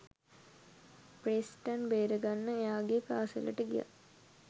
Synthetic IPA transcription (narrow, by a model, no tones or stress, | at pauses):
pɾeːsʈanbeːɾəɡanːəejaːɡepaːsilɐ̰ʈːəɡḭja̰